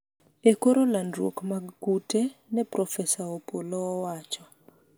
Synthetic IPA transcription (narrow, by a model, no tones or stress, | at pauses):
ekoɾolandɾwo̰kmaɡkutenɛpɾɔfɛsaopolɔːwat͡ʃɔ